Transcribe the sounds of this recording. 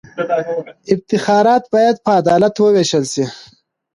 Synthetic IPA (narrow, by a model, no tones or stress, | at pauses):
ɪb̚t̪ɪxɑːɾɑːt̪̚bɑːjad̪̚pəːd̪ɑːlat̪wəweːʃəlsi